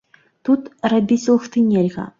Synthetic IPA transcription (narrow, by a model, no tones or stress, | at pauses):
t̪ut̪rabʲisʲlˠxt̪ɨnʲelʲɣɐ̰